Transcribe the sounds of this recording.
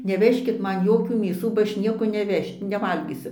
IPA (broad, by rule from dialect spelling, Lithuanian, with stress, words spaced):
nʲɛˈʋʲæːʃʲkʲɪt ˈmɐn ˈjoːkʲuː mʲeːˈsuː bɐ ˈɐʃ ˈnʲiɛkoː nʲɛˈʋʲɛʃʲ nʲɛˈʋɐlʲɡʲiːsʲʊ